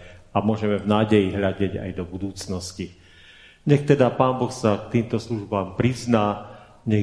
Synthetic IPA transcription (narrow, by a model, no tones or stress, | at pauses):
amʊɔʒɛmɛvnaːɟɛjiɦʎaɟɛɟa̰jd̪ɔbud̪uːt͡snɔsci | ɲɛxt̪ɛd̪apaːnbɔxsak̚t̪iːmt̪ɔsluʒbaːmpɾiznaː | ɲɛ